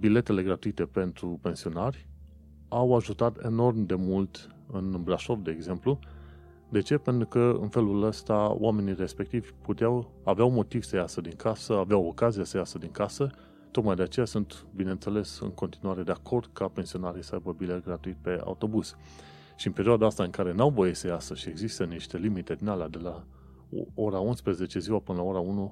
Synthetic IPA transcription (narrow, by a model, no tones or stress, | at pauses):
bile̞t̪e̞le̞ɡɾat̪uit̪e̞pe̞nt̪ɾupe̞nsio̞narʲ | awaʒut̪at̪e̞̰no̞rmd̪e̞mult̪ | ɨnbɾaʃo̞vd̪e̞ːɡze̞mplu | d̪e̞t͡ʃe̞pe̞nt̪ɾukəɨ̰nfe̞luləst̪ao̰wame̞nire̞spe̞k̚t̪ivʲput̪eaw | aveawmo̞t̪iv̥səjasəd̪iŋkʰasəaveawo̞kazijasəjasəd̪iŋkasə | t̪o̞k̪majd̪e̞at͡ʃe̞jasunt̪bineɨnt̪se̞le̞sɨ̰ŋko̞nt̪inuaɾe̞d̪eakʰo̞rd̪̥kape̞nsio̞naɾijsəajbəbilerɡɾat̪uit̪̚pe̞a̰ut̪o̞buz̥ | ʃiɨnpe̞ɾioad̪aast̪aɨŋkaɾe̞nawvo̞jesəjasəʃieɡzist̪əniʃt̪e̞limit̪e̞d̪inalead̪e̞la | oɾaunspɾe̞ze̞t͡ʃe̞ziwapɨnəlao̞ɾaunu